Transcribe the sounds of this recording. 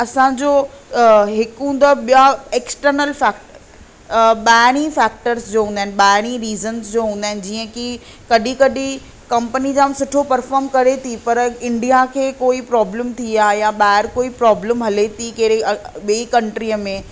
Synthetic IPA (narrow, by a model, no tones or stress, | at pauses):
ɐsãd͡ʑoː | ɦɪkɦũːnd̪aɓijaeːksʈəɾnəlfɛːkʈə | ɓaːɪɽ̃ĩfɛːk̚ʈəɾsd͡ʑoːɦũnd̪aɦɪnɪɓaːɪɽ̃ĩɾiːzənsd͡ʑoːɦũːnd̪aːɪnɪd͡ʑiːə̃ki | kɐɗikɐɗi | kɐ̃mpənid͡ʑãːmsʊʈʰopɐɾfɔːɾmkɐɾet̪ʰipɐɾɪ̃ɳɖijakʰeːkoːipɾɔːbləmt̪ʰiaːɦjaɓaːɦɪɾkoːipɾɔːbləmɦɐlet̪ʰikɐɦɾeɓeikɐ̃ɳʈɾiəmẽ